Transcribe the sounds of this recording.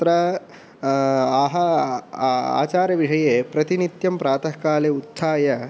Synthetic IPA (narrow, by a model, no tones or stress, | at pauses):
t̪ɾɐ | aːɦɐ | a̰ːt͡ʃaːɾjɐʋiʂɐjeːpɾɐt̪init̪jɐmpɾaːt̪ʰɐkaːleːut̪saːjɐ